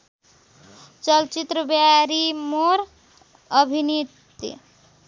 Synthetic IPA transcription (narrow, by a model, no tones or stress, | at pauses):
t͡ʃʌlt͡ʃit̪ɾəbjaɾimoɾ | əbʱinit̪ː | i